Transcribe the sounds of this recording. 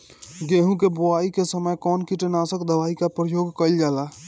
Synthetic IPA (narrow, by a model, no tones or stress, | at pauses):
ɡeɦũkeboaikesəməjkɔːnkiʈənasəkd̪əʋaikapɾəjoːɡkəɪld͡ʒaːla